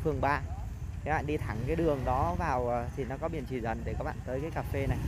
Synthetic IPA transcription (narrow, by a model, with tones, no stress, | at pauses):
fɨ˨˩əŋɓaː˧˩ | aː˨˦ɓa̰ː˧˨nɗi˧t̪ʰa˧˩ŋkaː˨˦jɗɨ˨˩əŋɗɔ˨˦vaː˨˩wt̪ʰi˨˩nɔ˨˦kɔ˨˦ɓi˨˧˩ənt͡ɕi˧˩zə˨˩nve˨˩kaː˦˥k̚ɓ̰a̰ː˧˨nt̪əː˨˦jkaː˨˦jkaː˨˩fe˧na˨˩j